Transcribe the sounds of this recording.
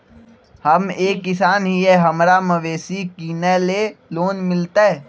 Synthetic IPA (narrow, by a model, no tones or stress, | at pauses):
hɐmeːkːɪsaːnɦiɦɛɦɐmɾaməʋeːsikiːnɛleloːnmɪlt̪aɛ